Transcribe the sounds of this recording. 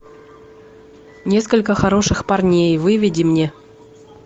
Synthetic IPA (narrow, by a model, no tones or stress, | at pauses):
nʲe̞skəlʲkəxɐɾo̞ʂɨxparnʲejvɨvʲɪdʲɪmnʲe